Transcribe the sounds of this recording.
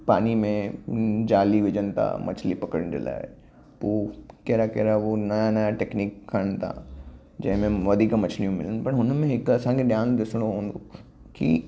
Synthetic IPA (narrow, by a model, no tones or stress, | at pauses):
paːnimẽd͡ʑaːliʋɪd͡ʑənɪ̆t̪ʰa̰mɐ̰t͡ɕʰlipɐkəɽɪ̃ñdḛla̰ː | poːkeːɾakeːɾaɦonɐjanɐjaʈeːkniːkʰːɐɽ̃ɪt̪ʰa̰ | d͡ʑɐ̃ɦɪ̃mẽʋɐd̪ʱiːkmɐt͡ɕʰlijũmɪlənɪ̆pɐɽɦʊnmẽɦɪkɐsãkʰeɗɪjãːnd̪ɪsəɽ̃oɦũːnd̪o | kḭ